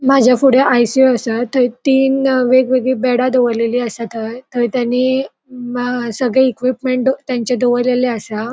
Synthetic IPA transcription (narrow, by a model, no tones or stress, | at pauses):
mad͡ʑʱjafuɽjeʔajsioəsat̪əit̪iːnʋeɡʋeɡɭiːbɛɽad̪oʋəɾleliːəsat̪ʰət̪əɾt̪janːiː | səɡɭɛikʋipmeɳʈd̪t̪jaɲt͡ɕed̪oʋəɾleleəsa